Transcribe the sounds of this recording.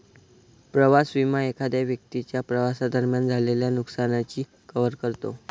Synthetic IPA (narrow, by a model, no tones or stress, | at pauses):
pɾəʋasʋimaekʰad̪jaʋjək̚t̪it͡ɕjapɾəʋasad̪əɾmjand͡zʱaleljanuksanat͡ɕiː | kəʋəɾkəɾt̪o